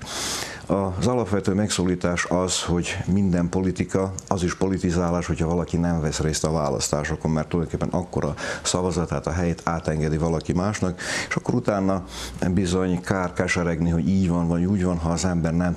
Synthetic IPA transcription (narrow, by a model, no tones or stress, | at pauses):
ɒzɒlɒpʋɛt̪øːmɛksoːliːt̪aːʃɒz̥ho̞ɟmind̪ɛmpo̞lit̪ikɒɒziʃpo̞lit̪izaːlaːʃho̞chɒvɒlɒkinɛɱvɛsreːst̪ɒvaːlɒ̰st̪aːʃoko̞mːɛrt̪ːulɒjdoŋkeːpːɛnʔɒkːo̞̰ɾɒsɒvɒzɒt̪ːaːt̪ɒɦɛjeːt̪ʰaːt̪ɛŋɡɛd̪ivɒlɒkimaːʃnɒkeːʃɒkːo̞ɾut̪aːnːɒbizo̞ɲkaːrkɛlʃɛɾɛɡniɦo̞ɟiːɟvɒnvɒuːɟvɒnɦɒːzɛmbɛrnɛm